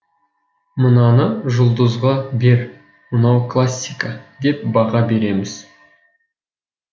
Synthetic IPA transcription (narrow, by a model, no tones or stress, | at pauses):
mənɑnəʒʊlˠd̪əzʁɑbe̞ɾ | mənɑwklˠasʲːijkad̪e̞p̚bɑʁɑbe̞ɾe̞mɪz̥